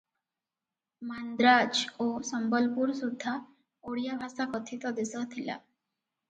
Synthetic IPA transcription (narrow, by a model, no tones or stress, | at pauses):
mand̪ɾad͡ʒosəmbəlpuːɾsud̪ʱːa | oɽijabʱasakət̪ʰit̪ɔd̪esət̪ʰila̰